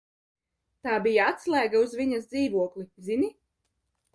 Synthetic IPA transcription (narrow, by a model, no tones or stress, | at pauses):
t̪aːbijaat̪slˠæːɡauzviɲazd̪ziːvuɔklˠizini